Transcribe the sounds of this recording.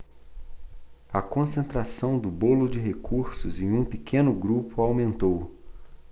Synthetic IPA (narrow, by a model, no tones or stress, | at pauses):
ɐkõsẽnt̪ɾasɐ̃w̃d̪ʊbolʊd͡ʒɪɦekuɾsʊzẽj̃ũpikʰẽnʊɡɾupʊawmẽnt̪ow